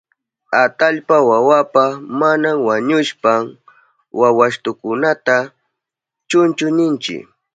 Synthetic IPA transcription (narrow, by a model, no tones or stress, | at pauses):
at̪aʎpawawapamanamwaɲʊʃpam | wawaʃt̪ʊkʊnat̪a | t͡ʃʊnt͡ʃʊnɪnt͡ʃɪ̰